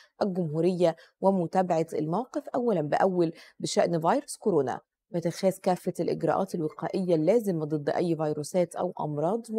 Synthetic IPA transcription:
ʔælɡʊmhuːɾɪjːæ | wɪmʊt̪æːbaʕat̪ɪ̰lmæwqefʔæwːælænbɪʔæwːælbɪʃæʔnvɑjɾoskoɾoːnæ̰ | bɪt̪ɪxæːzkæːfːælʔɪ̰ɡɾˤɑ̰ʔɑ̰ːt̪elwɪqɑːʔɪjːælːæːzɪmæd̪ˤɨd̪ˤːʔæjːvɑjɾuːsæːt̪ʔæ̰wʔɑ̰mɾˤɑːd̪ˤ

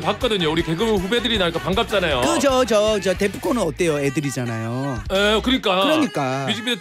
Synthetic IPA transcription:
pak͈̚ʌdɯɲouɾike̞ɡɯmɸube̞dɯɾinaɭk͈apaŋɡap̚t͡ɕ͈anajokɯd͡ʑʌt͡ɕʌt͡ɕatepʰuk͈ʰonɯnʌt͈̚e̞joe̞dɯɾid͡ʑanajoekɯɲik͈aɯɾʌɲik͈aid͡ʑʰibie

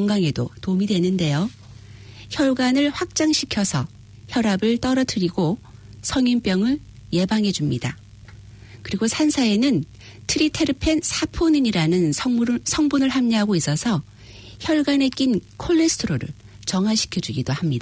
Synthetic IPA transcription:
kʌŋɡaŋe̞dotomidwe̞nɯnde̞jo | çjʌɭɡanɯɭɸwak̚t͡ɕ͈aŋɕʰikʰjʌsʰʌ | çjʌɾabɯɭt͈ʌɾʌtʰɯɾiɡo | sʰʌŋinp͈jʌŋɯɭ | je̞baŋɦe̞d͡ʑumɲida | kɯɾiɡosʰansʰae̞nɯn | tʰɯɾitʰe̞ɾɯpʰe̞nsʰapʰunɯɲiɾanɯnsʰʌŋbunɯɭɦamɲiɦaɡois͈ʌsʰʌ | çjʌɭɡane̞k͈inkʰoɭːesʰtʰɯɾoɾɯ̰ɭ | t͡ɕʌŋɦaɕʰi̥kʰjʌd͡ʑuɡidohamɲida

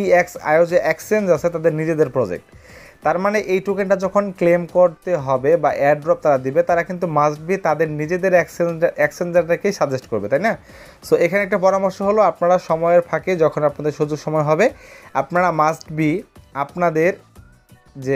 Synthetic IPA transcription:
iɛka̰eod͡ʑeʔɛksiɖensat͡ɕʰet̪ad̪eɾnid͡ʑed̪eɾpɾɔd͡ʑḛk̚ʈ | t̪ːaɾmaneʔejʈukeɳʈad͡ʑɔkʰonklemkoɾt̪eɦɔbebaʔeaɾɖɾɔp̚t̪aɾad̪ibet̪aɾakint̪̬umasʈ̚bit̪ad̪eɾnid͡ʑed̪eɾsɛksend͡ʑaɾʈ̪akejʃad̪ʱeʃʈkoɾbet̪ajna | soekʰaneɛk̚ʈapɔɾamoɾʃoɦoloapnaɽaʃɔmɔeɾpʰaked͡ʑɔkʰonapnad̪eɾʃod͡ʑoɡʃɔmɔeɦɔbeapnaɽamasʈbiapnad̪eɾ | d͡ʑe

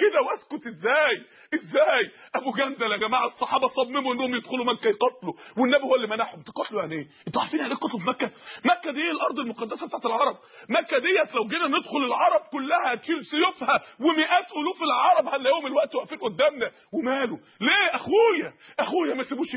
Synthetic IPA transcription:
ked̪æwæskot̪ʔezːæːj | ʔezːæːjʔæbuɡænd̪ælæɡæmaːʕesˤːɑħɑːbɑsˤɑmːemuʔenːohomjed̪xolumækːæjqɑt̪ˤːluwenːæbihowːælːimænaħomt̪e̥qɑt̪lujaʕniʔeːʔent̪æaʕfiːniʕaleːkqɑt̪ˤlfmækːæmækːæd̪eelʔɑɾˤd̪ˤelmoqɑd̪ːæsæbet̪aʕt̪elʕɑɾˤɑb̚mækːæd̪ejːæt̪læwɡeːnæned̪xolelʕɑɾˤɑb̚kolːæhæt̪ʃiːlsejofhæwemeʔæːt̪ʔoluːfilʕɑɾˤɑbhælːææːhomelwæʔt̪wæʔfiːnʔod̪ːæːmnæ | wemæːlo | leːʔæxujæ | ʔæxuːjæmæsebuːʃ

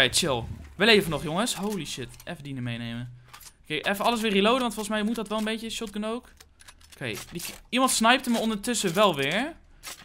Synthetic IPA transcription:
ɛjt͡ʃɪlˠʋəlejvənɔxjoŋəshowliʃɪtʔɛfədinəmejnejməkejʔɛfəɑlˠəs̬ʋɪːrilowdəʋɑntfolˠsmɛjmut̚dɔtʋɛlˠənbejtjəʃɔt̚ɡənowk | kʰejdəimɑntsnɛjp̚təməɔndətʏsəʋɛlˠʋɪːɹ

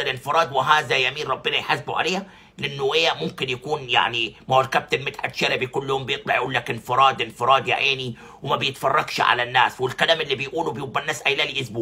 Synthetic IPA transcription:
alɪnfɪɾˤɑːd̪wɪɦaːðajamiːnɾˤɑbːɪnajħasbuʕa̰lejːa | lɪʔɪnːʊʔejːamʊmkɪnjakuːnja̰ʕnimawalkab̚t̪ɪbmɪt̪ħat̪ʃaɾabijkʊlːhʊombɪjɪt̪ˤlɑʕjʔuːlːakɪnfɪɾˤɑːd̪ʔɪnfɪɾˤɑːd̪ja̰ʕʔeːni | wɪmabɪjɪt̪fɑrˤːɑɡʃʕa̰lanːa̰ːswɪlkalaːmʔɪlːibɪjʔuːlubɪjɪbːanːaːsʔajlaːliʔʊsbuːʕ

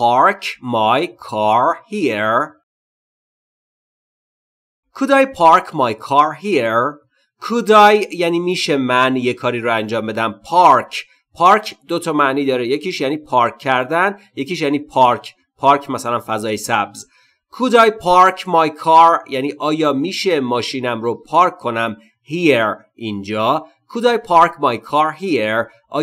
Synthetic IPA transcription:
pʰɒɾkʰmɒjkʰɒɾhieɾ | kʰud̪ɒːjpʰɒɾkʰmɒjkʰɒːɾɦieɾ | kʰud̪ɒːjjːæniːmiːʃemænjekʰɒːɾiːɾoænd͡ʒɒːmbe̞d̪æmpʰɒɾkʰ | pʰɒːɾcʰd̪̥o̞t̪ʰɒːmæʔniːd̪ɒːɾejecʰiːʃjæniːpʰɒːɾkʰːæɾd̪ænje̞ciʃjæːniːpʰɒɾkʰ | pʰɒːɾkʰmæsælænfæzɒːjesæbz | kʰud̪ɒːjpʰɒɾkʰmɒjkʰɒɾjæniːʔɒːjɒːmiːʃe̞mɒːʃiːnæmɾopʰɒːɾkʰːo̞næm | hieɾ | ʔind͡ʒɒː | kʰud̪ɒːjpʰɒɾcʰmɒjkʰɒːɾɦieɾ | ʔɒ̰ː

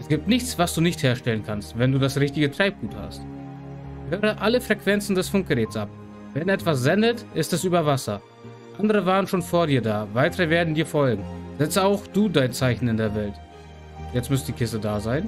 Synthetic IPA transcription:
ʔɛsɡ̥iːp̚tnɪçt͡sv̥asd̥uːnɪçtheːɐʃtɛlənkʰanstvɛnduːdasʁɪçtɪɡətʁ̥aɪp̚ɡ̥uːtha̰st | høːʁ̞əʔaləfʁ̥ɛkv̥ɛnt͡sn̩dɛsfʊŋk̚ɡ̥əʁɛːtsʔap̚ | vɛnɛtv̥as̬z̥ɛndətʔɪstɛsʔyːbɐvasɐ̰ | ʔandəʁ̞əvaːʁənʃoːnfoːɐdiːɐdaːvaɪtəʁəveːɐdn̩diːɐfɔlɡŋ̩zɛt͡səaʊxd̥uːdaɪnt͡saɪçn̩ɪndeːɐvɛlt | jɛt͡stmʏstd̥iːkʰɪstədaːzaɪn

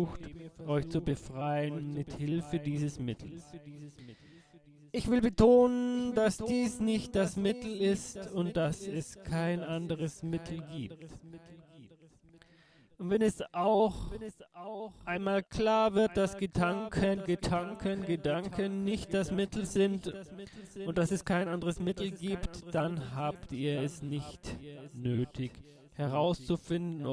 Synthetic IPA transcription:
uːxtʔɔʏçt͡subəfʁ̥aɪənmɪthɪlfədiːzəsmɪtʰl̩s | ʔɪçv̥ɪlbətʰoːnənndasd̥iːsnɪçt̚d̥asmɪtl̩ɪstʊntd̥asɛskʰaɪnʔandəʁəsmɪtʰl̩ɡiːp̚tː | ʔʊntv̥ɛnɛsʔaʊx | ʔʔaɪnmaːlkl̥aːɐvɪɐt̚d̥asɡ̥ədaŋkʰənɡədaŋkʰənɡədaŋkənːɪçt̚d̥asmɪtl̩zɪnt | ʔʊnt̚d̥asɛskʰaɪnʔandəʁəsmɪtl̩ɡiːptd̥anɦaːptiːɐɛsnɪçtnøːtʰɪç | hɛʁaʊst͡sufɪndn̩

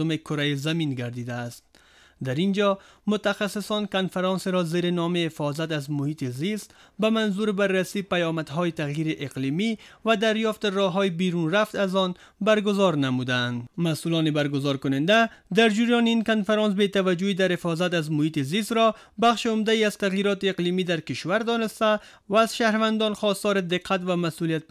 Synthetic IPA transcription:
ʊmekʊɾajizaminɡaɾd̪id̪aːst̪̚ | d̪aɾind͡ʒɔmʊt̪axasːɪsɔnkanfaɾɑnseɾɔzeɾenɔmehɪfɔzat̪azmʊhit̪izist̪ | bamanzuɾɪbarːasipajɔmad̪ɦɔjet̪aɣjiɾiʔeqlimivad̪aɾjɔft̪ɪrɔɦɔjibiɾunraft̪azɔn | baɾɡʊzɔɾnamud̪and̪masulɔnɪbaɾɡʊzɔɾkʊnɪnd̪ad̪aɾd͡ʒiɾjɔniinkanfaɾɑns̬bet̪avad͡ʒʊid̪aɾhɪfɔzat̪̬azmʊhiːt̪ɪzist̪ɾɔ | baxʃeʊmd̪aiaz̥t̪aɣjiɾɔt̪eːqlimid̪aɾkɪʃwaɾd̪ɔnɪst̪a | vaːzʃahɾvand̪ɔnxɔst̪ɔɾɪd̪ɪqʰːat̪vamasulijat̪̚p

